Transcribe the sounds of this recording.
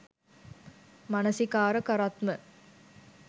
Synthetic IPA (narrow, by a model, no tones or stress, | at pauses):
mɐnɐsikaːɾəkɐɾat̪mə